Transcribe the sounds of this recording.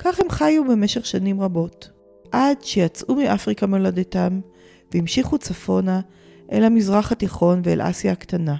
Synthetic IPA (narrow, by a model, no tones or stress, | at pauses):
kaχhe̞mχajube̞meʃeχʃanimʁabo̞t | ʔadʃejat͡sʔumiʔafʁikamelodetam | veimʃiχut͡safo̞na | ʔḛlhamizʁaχhatiχo̞nveḛlʔa̰sjaktana